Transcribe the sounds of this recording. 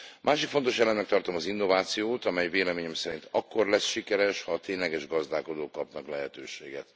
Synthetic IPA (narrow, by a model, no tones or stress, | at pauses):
mʔaːʃikfo̞nt̪o̞ʃɛlɛmnɛk̚t̪ɒrt̪o̞mɒzinːo̞vaːt̪sijoːt̪ɒmɛjveːlɛmeːɲɛmsɛɾint̪ɒkːo̞rlɛsʃikɛɾɛʃhɒːt̪eːɲlɛɡɛʒɡɒzd̪aːko̞d̪oːkːɒpnɒklɛɦɛt̪øːʃḛːɡɛt̪